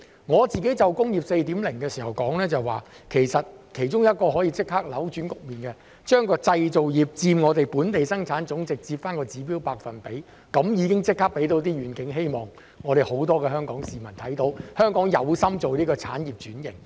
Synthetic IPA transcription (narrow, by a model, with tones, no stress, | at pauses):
ŋɔː˨˧t͡siː˨ke˨˥jt͡sɐ˨wkʊ˥ŋjiː˨p̚se˧jt̪i˨˥mlɪ˨˩ŋkɛː˧siː˨˩hɐ˨˩wkɔː˨˥ŋlɛː˥t͡sɐ˨waː˨kʰe˨˩jsɐ˨t̚kʰe˨˩jt͡sʊ˥ŋjɐ˥t̚kɔː˧ɦɔː˨˥jiː˧t͡sɪ˥k̚haː˥k̚lɐ˨˥wt͡ʃyː˨˥nkʊ˨k̚miː˨˩nkɛ˧ | t͡ʃœː˥ŋkɔː˧t͡sɐ˧jt͡so˨wjiː˨p̚t͡siː˧mŋɔː˨˧t̪e˨jpuː˨˥nt̪e˨jsɐ˥ŋt͡sʰaː˨˥nt͡sʊ˨˥ŋt͡sɪ˨k̚t͡siː˧pfaː˥nkɔː˧t͡siː˨˥piː˥wpaː˧k̚fɐ˨npe˨˥j | kɐ˨˥mjiː˨˧kɪ˥ŋt͡sɪ˥k̚ʰːaː˥pe˨˥jt̪o˨˥wt̪̬iː˥ɥyː˨˩nkɪ˨˥ŋɦe˥jmɔː˨˩ŋ | ŋɔː˨˧ɾe˨jho˨˥wt̪̬ɔː˥kɛː˧hœː˥ŋkɔː˨˥ŋsiː˨mɐ˨˩nt̪ʰɐ˨˥jt̪o˨˥whœː˥ŋkɔː˨˥ŋjɐ̰˨˧wsɐ˥mt͡so˨wniː˥kɔː˧t͡sʰa̰ː˨˥njiː˨˩p̚t͡ʃyː˨˥njɪ̰˨˩ŋ